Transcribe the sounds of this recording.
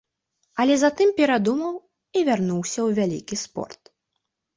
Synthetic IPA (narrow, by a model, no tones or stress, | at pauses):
ɐlʲɛzat̪ɨmpʲɛɾad̪umɐw | ivʲarnuwsʲɐwvʲalʲḭkʲispɔ̰rt̪̚